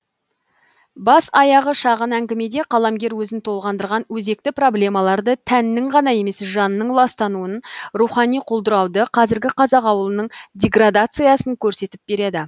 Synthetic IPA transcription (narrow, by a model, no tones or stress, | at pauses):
bɑsɑjɑʁəʃɑʁənæŋɡʲɪme̞d̪e̞qʰɑlˠɑmɡʲe̞ɾwɵzɪnt̪ʰo̞lˠʁɑnd̪əɾʁɑnwɵze̞k̚t̪ɪpro̞blʲe̞mɑlˠɑɾd̪ət̪ʰænːɪŋʁɑnɑje̞me̞sʒɑnənəɴlˠɑst̪ɑnuənruχɑnijqʰolˠd̪əɾɑwd̪əqʰɑzɪɾɡʲɪqʰɑzɑqɑwəlˠənəɴdʲe̞ɡrad̪at̪sɨjɑsəŋkʲʰɵɾse̞t̪ɪp̚be̞ɾe̞d̪ɪ